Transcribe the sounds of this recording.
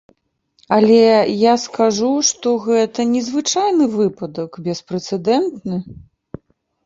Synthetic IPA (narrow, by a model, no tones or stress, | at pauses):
ɐlʲɛjaskaʐuʂt̪ɔɣɛt̪ɐnʲɛzvɨt͡ʂajnɨvɨpɐd̪ɐkbʲɛspɾɛt̪sɛd̪ɛnt̪nɨ